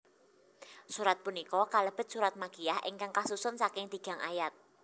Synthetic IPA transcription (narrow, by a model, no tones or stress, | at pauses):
suɾat̪̚punikɔkaləb̥ə̤t̪̚suɾat̪̚maɡijahɪ̰ŋkaŋkasusʊnsakɪŋd̪̥i̤ɡ̥a̤ŋa̰jat̪̚